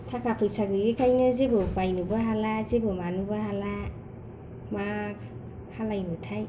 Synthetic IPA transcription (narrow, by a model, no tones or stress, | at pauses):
tʰakapʰɯjsaɡɯjekʰajnɯzebɯbajnɯbaɦalazebɯmanubahala | mak | halajnɯtʰaj